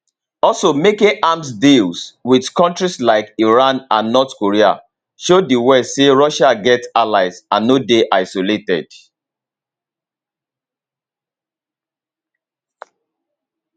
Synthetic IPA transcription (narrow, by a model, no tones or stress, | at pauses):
ɔlsomekĩŋʔamsdilswidkɔ̃ntɹislaɪkiɹãnãnːɔtkoɹia̰ | ʃodiwɛseɹɔʃaɡɛtalaɪsãnːodeʔaɪsoletɛd̥